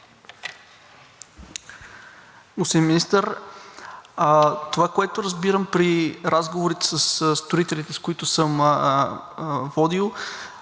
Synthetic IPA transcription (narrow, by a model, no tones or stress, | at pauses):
usiminist̪əɾ | t̪ovakoɛt̪oɾəzbiɾəmpɾiɾazɡovoɾit̪ɛ̥səsst̪oɾit̪ɛlit̪ɛskoit̪ʊsɤm | vɔd̪ilˠ